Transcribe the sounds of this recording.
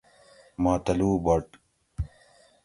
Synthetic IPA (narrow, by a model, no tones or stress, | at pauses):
maːt̪ɐluːbɐʈ